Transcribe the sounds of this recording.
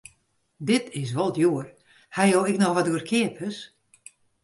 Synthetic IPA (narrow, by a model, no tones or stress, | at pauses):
dɪtʰɪs̬ʋɔlˠtjoər | hajowɪknɔxʋɔtuərkʰɪəpʰəs